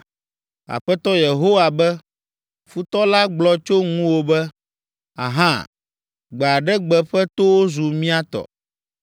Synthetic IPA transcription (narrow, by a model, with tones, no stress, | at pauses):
a̰˨ɸɛ˦t̪ɔ˦je˨ɦo˦wa˨bɛ˦ | fu˦t̪ɔ˦la˦ɡ͡blɔ˦t͡ʃo˦ŋũ˦wo˦bɛ˦ | a̰˨ɦã̰˦ | ɡ͡bɛ˨a˨ɖɛ˦ɡ͡bɛ˨ɸɛ˦t̪o˦wo˦zu˨mĩ˦a˦t̪ɔ̰˨